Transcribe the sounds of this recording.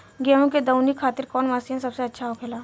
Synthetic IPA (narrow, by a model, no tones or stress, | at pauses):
ɡɛːɦõked̪ɐʊnikʰaːt̪ɪɾkɔːnmaːsiɦɛ̃sɐbseɐtːʃʰaɦʊpʰeːlaː